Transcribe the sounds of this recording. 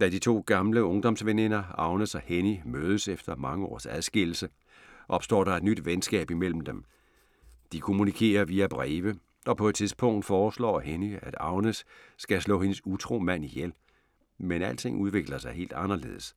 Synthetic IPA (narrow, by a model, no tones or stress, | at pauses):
d̥æd̥it͡sʰo̝̰ːɡ̥ɑ̈mləɔ̽ŋd̥ɒ̽msʋene̝nɐɑ̈ʊnəsɒhenimøːð̞ˠəsefd̥ɐmɑ̈ŋəɒ̰ːsæð̞ˠsɡ̥e̝l̰l̩sə | ʔɒ̽b̥sd̥ɒ̰ːɾ̥ɑ̈e̝d̥nyd̥ʋensɡ̥ɛ̰ːb̥imel̰m̩d̥em | d̥ikʰo̝munikʰe̝̰ːɐʋiæb̥ʁɛːʋə | ɒ̽pʰɒ̽ed̥̚t͡sʰiðˠsb̥ʰɔ̽ŋ̰d̥fɒːslɒ̰ːheniæd̥ɑ̈ʊnəsːɡ̥æslɔ̰ːhe̝nəsut͡sʰʁo̝̰ːmæn̰ijel̰ | menæl̰t͡sʰe̝ŋʔuð̞ˠʋe̝ɡ̥lɐsɑ̈ɪhe̝̰ːld̥ɑ̈nɐle̝̰ːð̞̩̰ˠəs